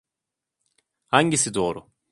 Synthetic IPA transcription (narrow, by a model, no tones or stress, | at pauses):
haɲɟisid̪o̞ːɾʊ